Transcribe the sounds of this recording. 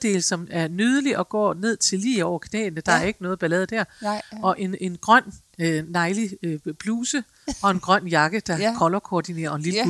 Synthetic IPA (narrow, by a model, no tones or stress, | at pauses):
d̥e̝̰ːlsɒ̽mæɐnyð̞ˠəliʔɒ̽ɡ̥ɒ̰ːne̝ð̞̰ˠt͡sʰe̝lːḭːɒʊ̰ɐkʰnɛ̰ːnəd̥ɑ̈æɐe̝ɡ̥ənɔ̽ːð̞̩ˠb̥ælɛːð̞̩ˠd̥æɐ̰ʔɒ̽ʔe̝ne̝nɡ̥ʁɶn̰ː | ɑ̈ɪlib̥luːsə | ɒ̽e̝nɡ̥ʁɶn̰jɑ̈ɡ̥əd̥ɑ̈kʰɒ̽lɐkʰoːd̥ine̝̰ːɐɒenlil̥